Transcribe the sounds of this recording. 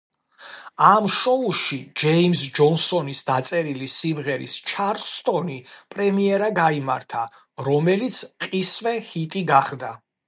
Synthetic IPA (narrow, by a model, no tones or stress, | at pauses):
amʃɔuʃid͡ʒɛimsd͡ʒɔnsɔnisd̪at̪sʼɛɾilisimʁɛɾḭst͡ʃʰaɾst̪ʼɔnipʼɾɛmiɛɾaɡaima̰ɾt̪ʰa | ɾɔmɛlit̪sʰqʼisvɛhit̪ʼiɡaχd̪a